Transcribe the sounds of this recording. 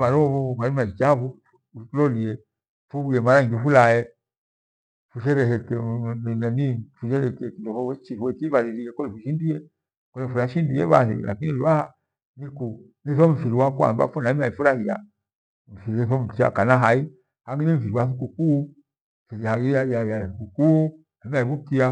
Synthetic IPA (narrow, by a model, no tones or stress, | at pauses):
βaɾɔvɔβaimad͡ʒit͡ʃafu | ulɔliɛ | fuɡijɛmaɾaŋɡifulaɛ | fuʃɛɾɛhɛkɛnnɛnifuʃɛɾɛkɛkindɔfɔɛt͡ʃifuɛkivaɾiɾiɛkɔlɛfuʃindiɛ | kɔlɛfulaʃindiɛ̰βa̰lḭla̰kinliwaha | niku | niθɔɱ̩fiɾiwakua̰mba̰fɔnamaifuɾahia | ɱ̩fiɾɛθɔm̩tia̰kanaɦai | haŋɡiniɱ̩fiɾiwaθukuku | fiiaiajajasukuku | amaiβukia